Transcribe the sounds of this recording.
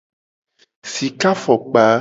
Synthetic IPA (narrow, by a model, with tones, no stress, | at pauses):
si˨ka˦fɔ˨k͡pa˨˦